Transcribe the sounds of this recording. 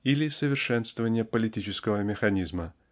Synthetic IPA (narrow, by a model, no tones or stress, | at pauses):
ilʲɪsəvʲɪrʂɛnst̪vəvənʲɪjəpəlʲɪtʲit͡ɕɪskəvəmʲɪxɐnʲizmə